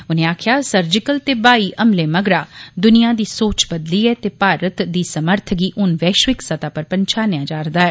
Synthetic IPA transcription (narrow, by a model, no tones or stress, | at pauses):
ʊnẽːaːkʰjaːsəɾd͡ʒɪkəlt̪eːbaːiːʔəmleːməɡɾaːd̪ʊnɪjãːd̪iːsoːt͡ʃbəd̪liːɛːt̪eːpaːɾət̪d̪iːsəməɾt̪ʰɡiːʔʊnʋɛːʃʋɪksət̪aːpəɾpəɲt͡ʃʰaːnejãːd͡ʒaːɾd̪aːɛː